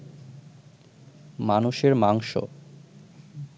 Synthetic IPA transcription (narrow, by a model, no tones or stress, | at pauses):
manuʃeɾmaŋʃo̰